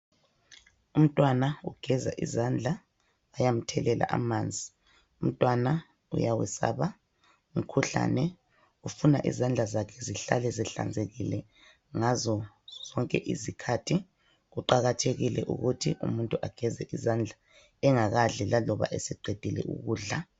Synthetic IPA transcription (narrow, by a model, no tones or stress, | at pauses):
um̩tʼwanauɡ̥ʱɛza̰ʔizand͡ɮʱaː | jam̩tʰɛlɛlʔa̰ʔamaːnd͡zʱi | um̩tʼwana | ṵjawɛsa̰βa | um̩kʰuɬa̰nɛ | ufuna̰ʔḭzand͡ɮʱazakʰɛziɬalɛzɛɬa̰nd͡zʱeɣilɛ | ŋazɔ | z̥ɔŋkʼɛ̰ʔizikʰatʰi | ɣuǃaɣatʰeɣilɛʔṵɣutʰiʔumuntʼuʔaɡ̥ʱɛzɛʔizand͡ɮʱa | ɛŋaɣaɮilalɔβa̰ʔesiɡ͡ǀʱed̥ʱilɛ̰ṵɣuːɮa